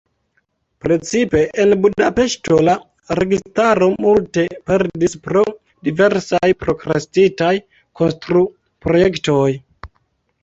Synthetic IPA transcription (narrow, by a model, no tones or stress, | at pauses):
pɾe̞t͡sipe̞ʔenbudape̞ʃto̞la | ɾe̞ɡistaɾo̞multe̞pe̞ɾdispɾo̞ | dive̞ɾsajpɾo̞kɾastitaj | kʰo̞nstɾu | pɾo̞je̞kto̞j